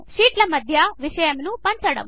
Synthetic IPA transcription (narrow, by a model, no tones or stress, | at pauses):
ʃiːʈlɐmɐd̪ʱjaʋiʃɐjɐmnupɐɲt͡ʃɐɽɐ̰m